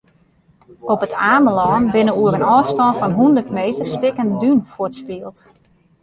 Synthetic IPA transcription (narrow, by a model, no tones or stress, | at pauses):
ɔpətʰaːməlɔːnbɪnəuəɾənɔːstɔnfɔnɦundərtmejtərstɪkəndynfʊətspiəlˠt